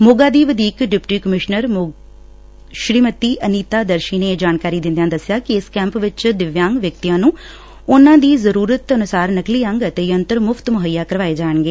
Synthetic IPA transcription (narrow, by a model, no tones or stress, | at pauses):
moːɡaːd̪iːʋəd̪iːkɖɪpʈiːkəmɪʃnəɾ | ʃɾiːmət̪iːʔəniːt̪aːd̪əɾʃiːneːd͡ʒaːnkaːɾiːd̪ɪ̃nd̪jãːd̪əsːɪjaːkɪɪskɛ̃ːmpʋɪt͡ʃd̪ɪʋjãːŋɡʋjək̚t̪ijãːnũː | ʊnãːd̪iːzəɾuːɾət̪ənʊsaːɾnəkliːɦə̃ŋɡət̪eːjənt̪əɾmʊfʰt̪mʊɦəjːaːkəɾʋaːeːd͡ʒaːəɳɡeː